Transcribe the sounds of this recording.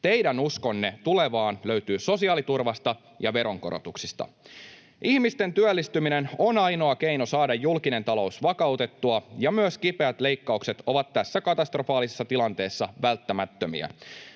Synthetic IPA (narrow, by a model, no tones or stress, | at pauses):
t̪ejdænusko̞nːe̞t̪uleʋɑːnløyt̪yːso̞siɑːlit̪urʋɑst̪ɑ | jɑʋe̞ɾo̞ŋko̞ɾo̰t̪uksist̪ɑ̰ | ʔihmist̪e̞nt̪yælːist̪yminenonɑjno̞ɑke̞jno̞sɑːdɑjːulkine̞nt̪ɑlo̞usʋɑkɑwt̪e̞t̪ːuɑjɑmyøskipe̞æt̪le̞jkːɑukset̪o̞ʋɑt̪tæsːækɑt̪ɑst̪ro̞fɑːlisesːɑt̪ilɑnt̪e̞ːsːɑʋælt̪ːæmæt̪ːømḭæ̰